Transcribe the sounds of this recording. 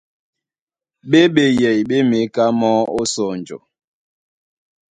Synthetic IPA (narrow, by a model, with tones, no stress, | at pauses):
ɓe˦ɓe˦jɛ˨jɓe˦me˨˦ka˦mɔ˦o˦sɔ˦˨n˨d͡ʒɔ̰˨